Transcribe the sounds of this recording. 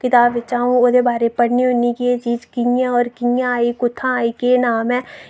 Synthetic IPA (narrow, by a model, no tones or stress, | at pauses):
kɪt̪aːbʋɪt͡ʃaːɦũod̪ebaːɾepəɽ̤niɦonikiet͡ʃiːd͡ʒkijãɔːɾkijãaːikʊt̪ʰːãaːikenaːmɛ̃ː